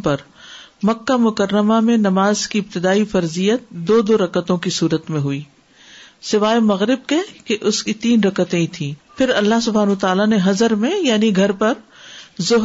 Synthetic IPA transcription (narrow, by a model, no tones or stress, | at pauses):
pɐɾ | mɐkːamʊkəɾːəmamẽnɐmaːzkiɪb̚t̪ɪd̪aːifɐɾzijət̪̚d̪oːd̪oːɾɐkət̪õkisuːɾət̪mẽɦʊiː | sɪʋaːemɐɣɾɪb̚kekeʔʊskit̪iːnɾɐkət̪ẽĩt̪ʰĩːpʰɪɾɐlːaɦsʊbʱaːnːt̪aːlaneɦɐzəɾmẽjaːniɡʱɐɾpɐɾzʊɦ